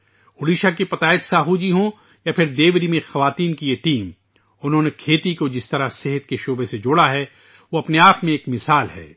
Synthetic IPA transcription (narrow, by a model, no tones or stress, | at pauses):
ʊliːʃakipɐt̪aːɪt̪saːɦud͡ʒiɦõ | japʰɪɾd̪eːʋɾimẽxɐʋaːt̪iːnkijeʈiːm | ʊnɦõːnekʰeːt̪ikod͡ʒɪst̪ɐɾaseɦət̪keʃoːbesed͡ʒʊɽaɦɛ | ʋoɐpneaːpmẽeːkmɪsaːlɦɛ̰ː